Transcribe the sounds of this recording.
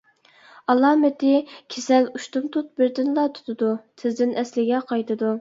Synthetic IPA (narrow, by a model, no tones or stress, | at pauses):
ɑlˠɑːmɪt̪ɪkʲʰesɛluʃt̪umt̪ʰut̪̚bɪɾd̪ɪnlˠɑt̪ʰu̥t̪ʰɨd̪ut̪ʰɪzd̪ɪnʔɛslɪɡʲɛqʰɑjt̪ʰɨd̪u